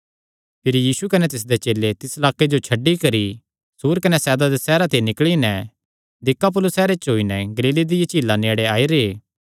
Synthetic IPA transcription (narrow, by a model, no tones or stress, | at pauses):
pʰɪɾijiːsukɐnɛt̪ɪs̬d̪et͡ʃeːlːet̪ɪslaːkːed͡ʒot͡ʃʰɐɖːikɐɾi | suːɾkɐnɛsɛːd̪ad̪esɛːɾat̪ʰenɪkɭinɛ | d̪ɪkːap̬ʊlʊsɛːɾet͡ʃɦoːinɛɡɐliːled̪ɪjet͡ʃiːlːaneːɽeaːiɾeː